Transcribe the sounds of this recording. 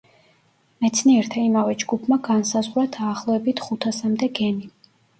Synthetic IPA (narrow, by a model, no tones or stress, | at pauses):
mɛt̪sʰniɛɾt̪ʰaimavɛd͡ʒɡupʰmaɡansazʁwɾad̪aːχlˠɔɛbit̪ʰχut̪ʰasamd̪ɛɡɛni